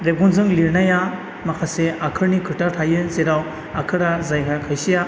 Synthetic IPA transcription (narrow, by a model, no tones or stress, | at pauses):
ɾeb̚ɡɔnzɯŋliɾnaja | makʰaseakʰɯɾnikʰɯɾtatʰajɯzeɾaw | akʰɯɾazajkʰakʰajsija